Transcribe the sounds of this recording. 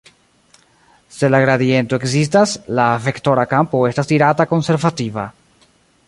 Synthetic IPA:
se̞laɡɾaðie̞nt̪o̞eksis̬taslave̞kt̪o̞ɾakampoe̞stastiɾatako̞nse̞ɾvativa̰

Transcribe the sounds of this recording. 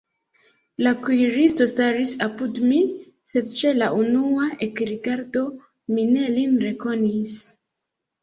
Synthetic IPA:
lakujɾisto̞staɾisapudmi | se̞dt͡ʃe̞laʔunuaʔekɾiɡaɾdo̞ | mine̞linɾe̞ko̞nis

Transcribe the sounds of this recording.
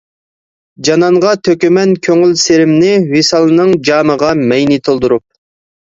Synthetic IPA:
d͡ʒɑnɑɴʁɑt̪ʰøkʲymɛnkʲʰøŋylseɾɪmnɪwisɑlˠɨnɨŋd͡ʒɑːməʁɑmɛjnit̪ʰolˠd̪uɾup̚

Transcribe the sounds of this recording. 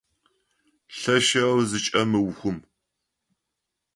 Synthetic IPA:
ɬɐʃɐwzɨt͡ʃʼɐmɨwxʷʊm

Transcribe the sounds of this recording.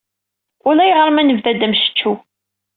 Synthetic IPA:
ʊlæjʁəɾˤmænəvðæd̪əmʃə̥t͡ʃːu

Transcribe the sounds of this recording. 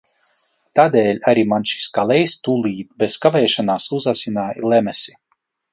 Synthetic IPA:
t̪aːd̪ɛːlʲaɾimanʃi̥skalˠɛjst̪ulˠiːt̪̚bɛzkavɛːʃanaːsuzasʲinaːjilˠɛmɛsʲi̥

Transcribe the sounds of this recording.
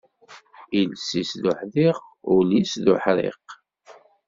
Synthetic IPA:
ilsisðʊħðiʁʊlisðʊ̰ħɾḛq

